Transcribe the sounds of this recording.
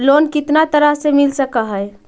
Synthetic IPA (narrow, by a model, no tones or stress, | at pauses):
lonkɪt̪nat̪əɾəɦsemilsəkaɦəe